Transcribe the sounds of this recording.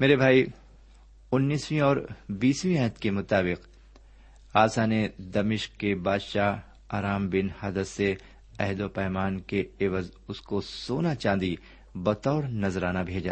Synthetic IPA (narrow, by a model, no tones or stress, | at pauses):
meːɾebʱaːi | ʊnːiːswĩɔːɾbiːswĩɛɦt̪kemʊt̪aːbɪq | aːsaned̪ɐmɪʃkkːebaːd̪ʃaːɦ | aːɾaːmbɪnhaːd̪əse | ɛɦd̪opɛːmaːnkeɪʋəzʊskosoːnat͡ʃãːnd̪i | bɐt̪ɔːɾnɐzɾaːnabʱeːd͡ʒa̰ː